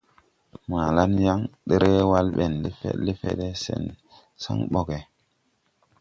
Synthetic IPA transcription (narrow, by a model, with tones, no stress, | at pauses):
ma˨la˦nja˦ŋɗe˦ɾʔe˦wa˦lɓe˨nle˦fḛ˦le˦fḛ˦ɗe˦sḛ˨n | sa̰˦ŋɓo˦ɡe˨